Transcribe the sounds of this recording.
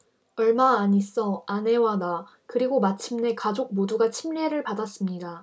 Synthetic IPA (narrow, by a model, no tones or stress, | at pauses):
ʌɭmaːɲis͈ʌane̞wana | kɯɾiɡomat͡ɕʰimne̞kad͡ʑok̚moduɡat͡ɕʰimʎeɾɯɭpadas͈ɯmɲida